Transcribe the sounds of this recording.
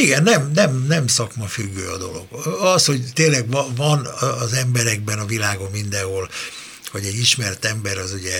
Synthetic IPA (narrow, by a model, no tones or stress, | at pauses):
iɡɛnːɛmnɛmnɛmsɒkmɒfyɡːø̰ːɒd̪o̞lo̞̰ɡ̥ɒsho̞ɟt̪eːlɛɡvɒnːzɛmbɛɾɛɡ̚bɛnɒvilaːɡo̞mːind̪ɛɦol | hoɟɛɟiʃmɛrt̪ɛmbɛɾɒzuɟɛ